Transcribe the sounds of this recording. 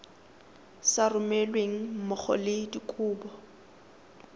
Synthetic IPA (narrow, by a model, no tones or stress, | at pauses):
sarʊmɛlweŋ̩mʊk͡xʰɔ̰lɪdikʼuːbɔ